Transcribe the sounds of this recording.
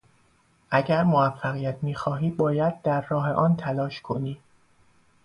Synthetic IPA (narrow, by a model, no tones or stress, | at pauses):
ʔæɟæɾmoæfːæɣijæt̪ʰmiːxɒːɦiːbɒːjæd̪̚ːæɾːɒːɦe̞̰ʔɒːnt̪ʰælɒːʃkʰo̞niː